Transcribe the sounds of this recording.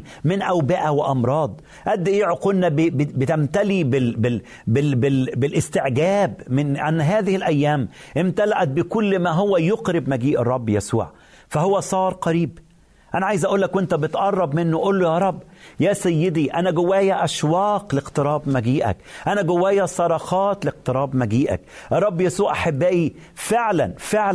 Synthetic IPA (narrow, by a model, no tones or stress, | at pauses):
mɪnʔæwbɪʔæwɪʔɑmɾˤɑːd̪ˤ | ʔæd̪ːʔeːʕoqʊlnæbbɪt̪æmt̪ælibɪbɪ | bɪbɪbɪlʔɪst̪ɪʕɡæːbmɪnʔa̰nːɦæːðɪhɪlʔæjːæːmʔɪmt̪ælaʔæt̪̚bɪkʊlːmæɦʊwæjʊqɾɪbmæɡiːʔɨrˤːɑbːjæsṵːʕ | fæhowːæsˤɑːɾˤqɑɾiːb | ʔænæʕaːjɪzʔæʔuːlːækwʔent̪æbɪt̪ʔɑrˤːɑbmɪnːʊʔolːʊjɑːɾˤɑbːjæːsæjːɪd̪iʔænæɡʊwæːjæʔæʃwɑːqlɪqt̪ɨɾˤɑːbmæɡiːʔæ̰kʔænæɡʊwæːjæsˤɑɾˤɑxɑːt̪lɪq̚t̪ɨɾˤɑːbmæɡiːʔæ̰kʔɑrˤːɑbːjæsuːʕʔaħabːæːʔi | feʕlænfeʕl